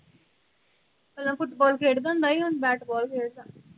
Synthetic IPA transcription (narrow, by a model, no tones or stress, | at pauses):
kəlːə̃fʊʈbɔːlkʰeːɽd̪ə̃nd̪aːiɦonbɛːʈbɔːlkʰeːɽd̪aː